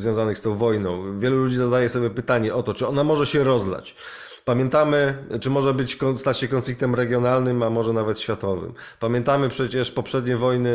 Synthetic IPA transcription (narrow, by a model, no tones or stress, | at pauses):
zvʲjɔ̃zanɘxst̪ɔ̃w̃vɔjnɔ̃w̃vʲjɛlulud͡ʑizad̪ajɛsɔbʲjɛpɘt̪aɲɛʔɔt̪ɔt͡ʂɘɔnamɔʐɛɕɛɾɔzla̰t͡ɕ | pamʲjɛnt̪amɘt͡ʂɘmɔʐɛbɘt͡ɕkɔst̪at͡ɕɕɛkɔnflʲikt̪ɛmɾɛɡʲjɔnalnɘmamɔʐɛnavɛt̪ɕfʲjat̪ɔvɘ̰m | pamʲjɛnt̪amɘpʂɛt͡ɕɛʂpɔpʂɛd̪ɲevɔjnɘ